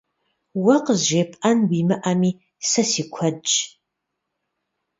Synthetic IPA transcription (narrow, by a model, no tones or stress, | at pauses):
wɐqəzʒeːpʰʼʔɐnwiːmɨʔɐmiː | sɐsiːkʷʰɐ